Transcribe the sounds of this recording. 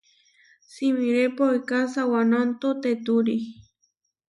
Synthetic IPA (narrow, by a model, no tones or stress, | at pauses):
simiɾepoikasawanant̪ot̪et̪uɾi